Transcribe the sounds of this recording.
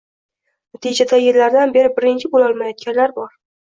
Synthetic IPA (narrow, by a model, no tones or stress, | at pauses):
nat̪ʰɪd͡ʒad̪ajeɾlaɾd̪anbe̞ɾɪbɪɾɪnt͡ʃʰɪbolɒlˠmajɒt̪̚kʲanlaɾbɒɾ